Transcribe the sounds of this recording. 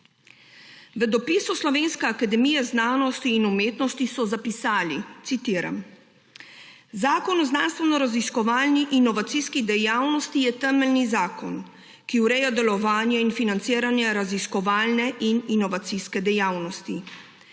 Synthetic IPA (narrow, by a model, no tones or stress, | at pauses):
ʋəd̪ɔpiːsuslɔʋeːnskɛakad̪ɛmijɛznaːnɔst̪iːnumeːt̪nɔst̪isɔzapisaːlit̪sit̪iːɾa̰m | zaːkɔnɔznanst̪ʋɛnɔɾaziskɔʋaːlniʔinɔʋat̪siskid̪ɛjaːwnɔst̪ijɛt̪ɛməlnizaːkɔn | kiuɾɛjad̪ɛlɔʋaːnjɛinfinant̪siːɾanjaɾaziskɔʋaːlnɛʔininɔʋat̪siskɛd̪ɛjawnɔst̪i